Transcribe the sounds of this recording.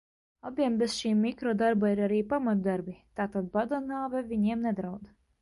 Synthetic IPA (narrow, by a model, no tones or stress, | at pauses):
abʲiɛmbɛzʃiːmʲːikɾɔd̪aɾbaiɾaɾiːpamat̪d̪aɾbʲit̪aːt̪ad̪̚bad̪ɔnaːvɛvʲiɲiɛmnɛd̪ɾawd̪